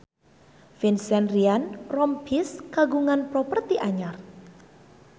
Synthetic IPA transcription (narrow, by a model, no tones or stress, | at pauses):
finsɛnrianrɔmpʰiskaɡuŋanpɾɔpərt̪iʔaɲar